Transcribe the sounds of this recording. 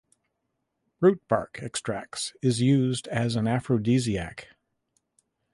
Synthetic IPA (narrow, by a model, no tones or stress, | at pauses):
ɹʉt̚bʰɑ̰ɹkʰɛkstʰɹ̥æksɪzjʉzdɨzə̃næfɹoʊdiziæ̰k